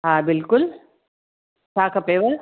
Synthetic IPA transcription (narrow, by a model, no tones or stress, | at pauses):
ɦãːbɪlkʊl | saːkɐpeːʋəɾ